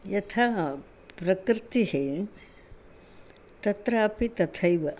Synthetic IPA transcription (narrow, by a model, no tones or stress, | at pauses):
jɐt̪ʰa | pɾɐkɾɪt̪iɦe | t̪ɐt̪ɾaːpit̪ɐt̪ʰɐjʋɐ